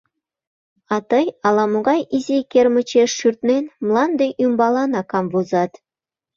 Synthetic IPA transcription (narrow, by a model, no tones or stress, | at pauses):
ɑt̪ɤjɑlˠɑmuɣɑjizʲekʲermə̆t͡ɕeʃːyrt̪nenmlˠɑnd̪ejʔumbɑlˠɑnɑkɑmvuzɑt̪